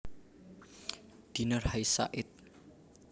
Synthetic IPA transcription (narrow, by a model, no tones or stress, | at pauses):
d̪̥inərhajsa̰ʔɪt̪̚